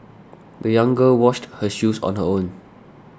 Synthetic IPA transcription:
dəjãŋɡəlwɔʃthəʃusɔ̰̃nɦəõn

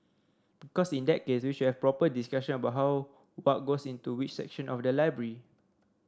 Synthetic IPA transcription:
b̥ikɔsĩndɛt̚keswiʃut̚hɛfpɹɔpədiskaʃə̃nəbaʊʔ̚ɦaw | wɔt̚ɡosĩntuwit͡ʃsɛ̰k̚ʃə̃nʔɔfdəlaɪbɹəɹi

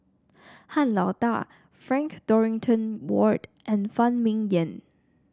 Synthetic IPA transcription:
hãnlɔt̪a̰ | fɹɛ̃ŋkd̥ɔɹɪ̃ŋtʰə̃nwɔɹdʔɛ̃nfãnmĩŋjə̃n

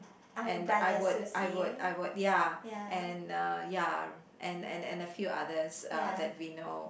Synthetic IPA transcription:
ɛ̃najwʊdajwʊda̰ɪwʊd̚jaɛ̃nʌja | ʔɛ̃nɛ̰̃nɛ̰̃nəfjuʔa̰dəsʌdɛt̚wino

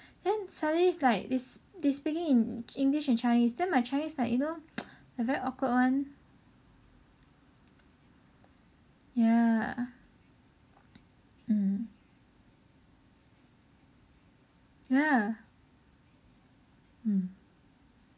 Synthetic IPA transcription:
d̥ɛ̃nsadəlislaɪk̚desdespikɪ̃ŋĩnĩŋɡliʃɛ̃nt͡ʃaɪnisdɛ̃nmaɪt͡ʃaɪnislaɪkjunodəvɛɹiʔɔkwət̚wãn | ja | m̩ | ja | m̩

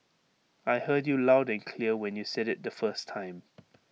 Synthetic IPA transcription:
aɪhɜdjulaʊdɛ̃nkʰliəwɛ̃njusɛɾɪt̚ðəfɜstʰãɪ̃m

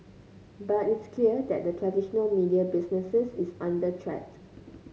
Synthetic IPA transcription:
batitskʰliədɛ̰t̚dətʰɹɛdiʃənəlmidiabisnəsəsisãndətʰɹɛ̰t

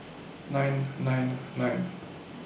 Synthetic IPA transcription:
nãjnːãjnːãjn

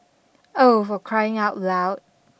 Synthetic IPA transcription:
oʊfəkʰɹ̥aɪɪ̃ŋaʊtlaʊd̥̚

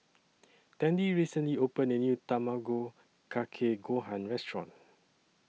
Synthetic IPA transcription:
tɛ̃ndiɹisə̃nliopə̃nənjutamaɡo | kʰakʰeɡoɦãnɹɛstɹɔ̰̃n

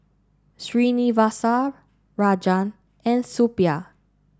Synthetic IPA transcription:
sɹinivasa | ɹad͡ʒãn | ɛ̃nsupia

